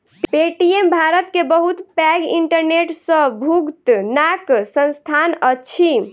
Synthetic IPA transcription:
ppeʈiembʱaɾət̪kebəɦut̪pɛɡiɳʈəɾneʈsə̃bʱuɡt̪naksənst̪ʰanət͡ʃʰi

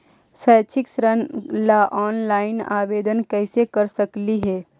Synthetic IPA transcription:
sɛːt͡ʃʰɪksɾənlaʔɔːnlaːɪna̰ːʋeːd̪ənkɛːsekɐɾsɐkliɦɛː

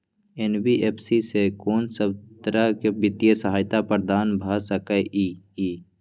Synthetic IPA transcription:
enbiʔeːpʰsisekoːnsəbt̪ɾakebɪt̪jəsəɦaːjt̪apəɾd̪aːnbʱasəkəʔi | iː

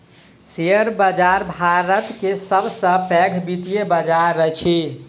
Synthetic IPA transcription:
sejəɾbəd͡ʒaɾbʱaɾət̪kesəbʱsə̃pɛɡʱbit̪ijebəd͡ʒaɾːət͡ʃʰi

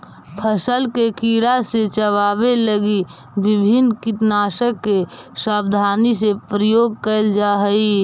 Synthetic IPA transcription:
pʰəsəlkekiːɽaset͡ʃəʋaːbeləɡi | ʋɪbʱɪnkɪʈnaːʃəkːesaːbd̪ʱaːnisepɾəjoːɡ̚kəɪld͡ʒaɦəi

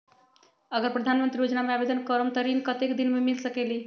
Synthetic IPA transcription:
əɡəɾpɾəd̪ʱanmənt̪ɾijod͡ʒnameabed̪ənkəɾumt̪əɾinkət̪ekd̪inmemilsəkeli

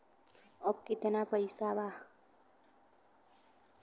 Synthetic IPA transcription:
ɔb̚kɪt̪napəjsaba

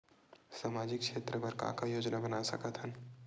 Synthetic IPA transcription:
saːmaːd͡ʒɪkʃeːt̪ɾəbəɾkã̰kajoːd͡ʒnabɐnasɐ̰kət̪ɦən

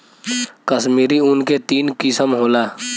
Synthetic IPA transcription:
kəsmiːɾiʊnket̪iːnkɪsəmɦoːlaː

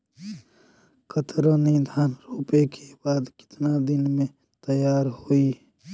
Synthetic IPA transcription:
kʰət̪ɾonid̪ʱaːnɾoːpekʰebaːd̪kɪ̥t̪nad̪ɪnmẽ | t̪əjaːɾhoi

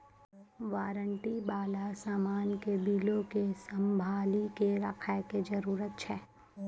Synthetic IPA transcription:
ʋaːɾəɳʈibaːlasaːmaːnkebʱiːlõkesɐ̃mbʱaːlikeɾɐkʰaeked͡ʒɐɾuːɾət̪̚t͡ʃʰɛː

